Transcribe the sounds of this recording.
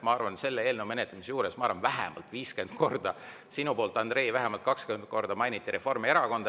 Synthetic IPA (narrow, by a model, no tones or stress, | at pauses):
mɑɑrvɑnse̞lːeeːlnewme̞net̪lemisjuːɾesmɑɑrvɑnvæɦɛ̰mɑ̰lt̪ːˑviːske̞nd̪̥̚ko̞rd̪ɑ | sinupo̞ːlt̪ˑɑnd̪re̞ːvæɦɛmɑlt̪kɑkskyend̪̥̚ko̞rd̪̥ɑmɑjnit̪ːˑiɾe̞fo̞rme̞ɾɑko̞nd̪